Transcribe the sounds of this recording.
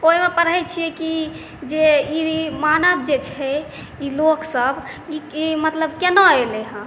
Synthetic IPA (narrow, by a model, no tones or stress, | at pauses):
oɦimepəɾɦɛt͡ʃʰijɛki | d͡ʒeimanəbd͡ʒet͡ʃʰɛ | iloksəbiimət̪ləbkenɔeleɦə̃